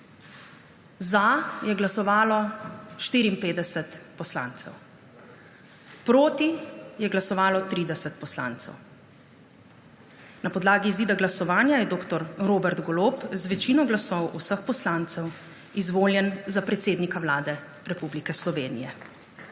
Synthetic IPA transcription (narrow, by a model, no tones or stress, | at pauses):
zajɛɡlasɔʋaːlɔʃt̪iːɾiːnpeːd̪ɛsɛt̪pɔsla̰ːnt̪sɛ̰w | pɾoːt̪ijɛɡlasɔʋaːlɔt̪ɾiːd̪ɛsɛt̪̚pɔsla̰ːnt̪sɛ̰w | napɔd̪laːɡiziːd̪aɡlasɔʋaːnjajɛd̪oːkt̪ɔɾɾoːbɛɾd̪ɡɔloːpzʋɛt͡ʃinɔɡlasɔwʔusəxpɔslaːnt̪sɛw | izʋoːljɛnzapɾɛt̪seːd̪nikawlaːd̪ɛ | ɾɛpublikɛslɔʋeːnḭjɛ̰